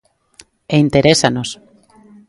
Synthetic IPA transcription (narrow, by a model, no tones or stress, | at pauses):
eint̪eɾesanos